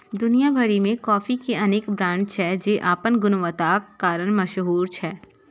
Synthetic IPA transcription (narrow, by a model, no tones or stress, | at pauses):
d̪ʊnijabʱɐɽimẽkɔːfikeɐneːkbɾãːnd͡ʒt͡ʃʰɛd͡ʒeːʔaːpənɡʊnʋət̪aːkːaːɾəɽ̃mɐʃɦuːɾt͡ʃʰɛː